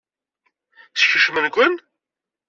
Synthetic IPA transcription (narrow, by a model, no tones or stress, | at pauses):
θçəʃmənɡʷən